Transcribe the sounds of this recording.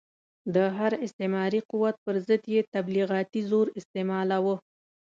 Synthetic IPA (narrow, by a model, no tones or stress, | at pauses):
d̪əɦaɾɪst̪emɑɾiquwat̪̚pəɾzəd̪jet̪abliɣɑt̪izoɾɪst̪emɑlawə